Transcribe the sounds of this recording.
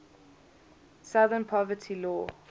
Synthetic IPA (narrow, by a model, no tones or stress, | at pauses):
saðə̃npʰɔvətʰilɔː